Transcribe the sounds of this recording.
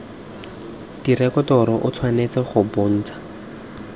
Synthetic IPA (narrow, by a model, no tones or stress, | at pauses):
dirɛkɔtɔɾɔʔʊt͡sʰwanet͡sɛχʊbon̩ːt͡sḁ